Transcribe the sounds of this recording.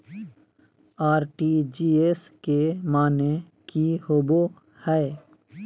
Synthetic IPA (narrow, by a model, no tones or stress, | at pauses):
aːɾʈid͡ʒiːes | kemaːne | kihoːbo | hɛe